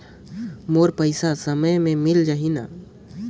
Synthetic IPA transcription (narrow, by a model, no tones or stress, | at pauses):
moːɾpəɪsasəməjmẽmɪld͡ʒaɦina̰